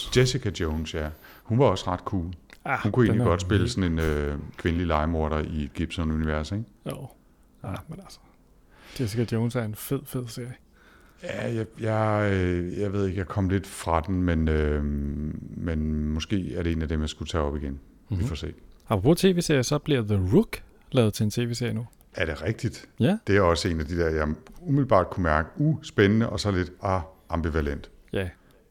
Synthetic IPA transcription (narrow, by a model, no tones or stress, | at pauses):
d̥esikʰæd̥joʊnsjæ | hunʋɑ̈ɒ̽sʁɑ̈d̥kʰuːlæhunkʰuḛnliɡ̥ɒ̽d̥sb̥e̝ləsɒ̽ne̝nøkʰʋe̝nəlilɑ̈ɪmo̝ɐɾɐied̥ɡ̥ib̥sɒnuniʋæɐseɡ̥o | menælsə̥ | d̥esikʰæ̥oʊnsæɐenfeð̰ˠfeð̰ˠse̝ɐ̰jə | jæjɑjɑɪøjɑ̈ɪʋe̝ð̰ˠe̝ɡ̥jɑ̈kʰɒ̽m̰le̝d̥fʁɑ̈d̥enmenø | menmɔ̽sɡ̥e̝̰ːæɐɾee̝ːnæd̥emjɑ̈sɡ̥ut͡sʰɛ̰ːɒ̽b̥iɡ̥en | ʋifɒ̰se̝̰̥ːɑ̈pʰʁɒpʰo̝t͡sʰe̝ːʋe̝ːseɐ̰jəsɒ̽b̥liɐðəʁuɡ̥ | lɛ̰ːʊð̩ˠt͡sʰe̝ent͡sʰe̝ːʋe̝ːse̝ɐ̰jənu | æɐɾ̥e̝ʁɛɡ̥̚d̥id̥jæd̥e̝æɒ̽səe̝ːnæd̥id̥eɐ̰jɑ̈umiðlb̥ɑ̰̈ːd̥̚kʰumæɐɡ̥əusb̥enənəʔɒ̽sɒ̽le̝d̥ɑɑ̈mb̥iʋælen̰d̥ | jæ